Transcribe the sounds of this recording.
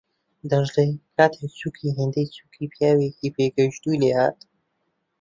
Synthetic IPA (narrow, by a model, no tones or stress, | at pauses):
d̪ɐʒlejkʰaːt̪ʰet͡sukʰiɦend̪ejt͡suːkʰiːpjaːwekipeɡəʃt̪ujleha̰ːt̪